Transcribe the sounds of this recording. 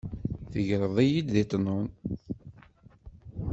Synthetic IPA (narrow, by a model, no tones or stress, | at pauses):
θəʝɾˤəðˤæjid̪ðit̪ˤnon